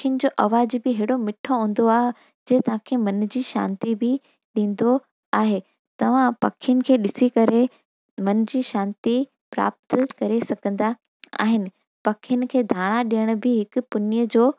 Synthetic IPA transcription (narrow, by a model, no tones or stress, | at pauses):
kʰjʊnɪ̆d͡ʑoːʔɐʋaːd͡ʑbɪɦeːɽomɪʈʰoɦũːn̆d̪oaːɦɪ | d͡ʑɐːt̪ɐʋ̤ãkʰeːmɐnd͡ʑiːʃa̰ːnt̪ibɪ | ɗĩːn̆d̪o | aːɦeː | t̪ɐʋ̤ãpɐ̰kʰijʊnɪ̆kʰeːɗɪsikɐɾe | mɐnd͡ʑiːʃaːnt̪i | pɾa̰ːp̚t̪kɐɾesɐɡʱə̃nd̪a | a̰ːɦɪnɪ̆ | pɐkʰijʊnɪ̆kʰeːd̪ʱaːɽ̃aɗijəɽ̃ʊ̆bɪɦɪkʊpʊnijəd͡ʑoː